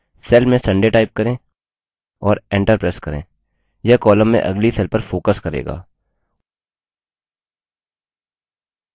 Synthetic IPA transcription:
sɛlmẽsə̃ɳɖeʈaːɪp̚kəɾẽ | ɔːɾẽːɳʈəɾpɾeːskɐɾḛ̃ː | jɐkɔːlə̃mːḛ̃ʔɐ̰ɡlisɛːlpəɾfoːkəskɐɾḛːɡa̰ː

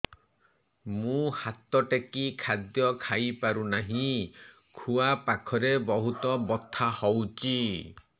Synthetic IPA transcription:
mũhat̪ɔʈekikʰad̪jɔkʰajpaɾunaɦĩ | kʰuapakʰɔɾebɔɦut̪ɔbɔt̪ʰːahɔwt͡ʃi

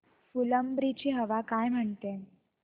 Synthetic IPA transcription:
fuləmbɾit͡ɕiɦəʋakajm̤əɳt̪e

